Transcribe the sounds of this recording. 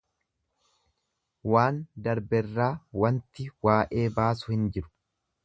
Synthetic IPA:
waːnd̪ɐɾbɛrːaːwɐnt̪ɪwaːʔe̞ːbaːsʊhɪnd͡ʒɪɾʊ̥

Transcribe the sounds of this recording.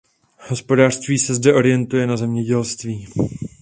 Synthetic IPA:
ho̞spo̞daːr̝̥st̪viːsɛzdɛʔo̞ɾɪjɛnt̪ujɛnazɛmɲɛɟɛlst̪viː

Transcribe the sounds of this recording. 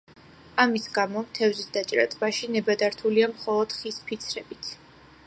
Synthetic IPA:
amisɡamɔmt̪ʰɛvzisd̪at͡ʃʼɾat̪ʼbaʃinɛbad̪aɾt̪ʰuliamχɔlˠɔd̪̥χispʰit̪sʰɾɛbit̪ʰ

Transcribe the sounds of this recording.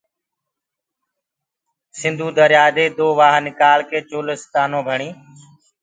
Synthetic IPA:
sɪ̃nd̪ʱuːd̪əɾjaːd̪eːd̪oːʋaːɦnɪkaːlkeːt͡ʃoːləst̪aːnõːbʱəɳ̃iː

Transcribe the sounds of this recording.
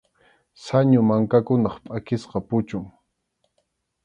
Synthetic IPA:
saɲʊmaŋkakʊnɑχpʼakɪsqɑpʊt͡ʃʊŋ

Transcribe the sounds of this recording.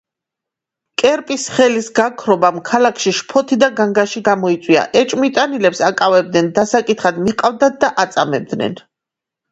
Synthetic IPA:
kʼɛɾpʼisχɛlisɡakʰɾɔbamkʰalakʰʃiʃpʰɔt̪ʰid̪aɡaŋɡaʃiɡamɔit̪sʼwia̰ʔɛt͡ʃʼmit̪ʼanilɛpsakʼavɛb̚d̪nɛnd̪asakʼit̪ʰχad̪miqʼavd̪at̪̚d̪aʔat̪sʼamɛb̚d̪nɛ̰n

